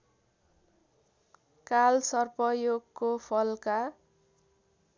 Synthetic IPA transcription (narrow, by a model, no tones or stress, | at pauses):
kalsʌrpʌjoɡkːopʰʌlka